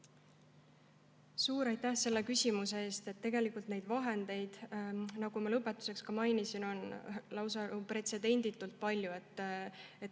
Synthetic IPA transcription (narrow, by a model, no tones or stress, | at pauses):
suːɾɑjt̪ːæhse̞lːekysʲimuse̞eːst̪e̞t̪ːe̞ɡe̞likːˑult̪ne̞jd̪vɑɦe̞nd̪̥e̞jd̪̥nɑɡ̥umɑlɤpːˑe̞t̪ːˑu̥se̞kskɑmɑjnisino̞nlɑwsɑupre̞t̪se̞d̪e̞nʲd̪̥it̪ːˑult̪̚pɑlʲjue̞t̪ːˑet̪